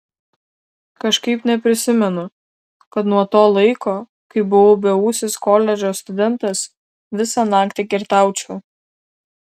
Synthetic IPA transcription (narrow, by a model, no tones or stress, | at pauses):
kɐʃkɐɪpnʲɛpʲɾʲɪsʲɪmʲɛnʊ | kɐt̪nuɔt̪oːlˠɐɪkoː | kɐɪbʊʋoːbʲɛusʲɪskoːlʲɛd͡ʒʲoːst̪ʊd̪ʲɛnt̪ɐs | ʋʲɪsɑnɑːkt̪ʲɪkʲɪɾt̪ɑˑʊt͡ʃʲɛː